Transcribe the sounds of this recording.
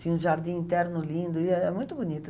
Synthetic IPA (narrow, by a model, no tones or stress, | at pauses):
t̪ĩũʒaɾd̪ĩĩnt̪ɛɾnʊlĩnd̪ʊɪɛɛmũj̃t̪ʊbunit̪ʊ